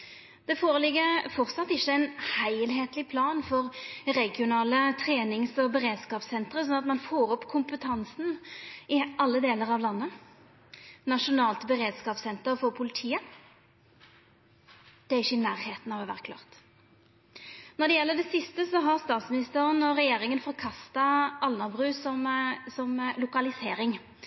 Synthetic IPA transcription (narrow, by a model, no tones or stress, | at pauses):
d̪̥ɛfoːʁəlɪɡːəɾfɔʁt̪sɑt̪ːɪçːəɛɪnhæɪlɦeːt̪lɪpʰlɑːnfɔʁʁɛɡɪʊnɑːlət̪ʰʁeːnɪŋsɔbəɾeːd̪skɑːpsɛnt̪ʁəsɔnɑt̪mɑnfoːɾɔpːkʰʊmpət̪ʰɑnsn̩ɪʔɑlːəd̪eːləɾɑʋlɑnːə | nɑʂʊnɑːlt̪bəʁeːd̪skɑːpsɛnt̪əʁfɔʁpʰʊlɪt̪ʰiːə | d̪̥ɛæʁɪçːəɪnæːʁheːt̪n̩ɑʋɛʋæ̰ʁkʰlɑ̰ːʁt̪ | nɔʁɖ̪ɛjɛlːəɖ̪ɛsɪst̪əsɔɦɑʁst̪ɑːt̪smɪnɪst̪əʁənɔʁɛjeːɾɪŋənfɔɾkʰɑst̪ɑʔɑlnəbʁʉːsɔmsɔmlʊkɑlɪseːɾɪŋ